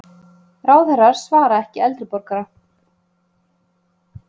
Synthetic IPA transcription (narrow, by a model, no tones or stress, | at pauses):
raːwθɛrːaɾ̥svaːɾaɛhcɪɛlt̪ɾɪpɔɾkaɾa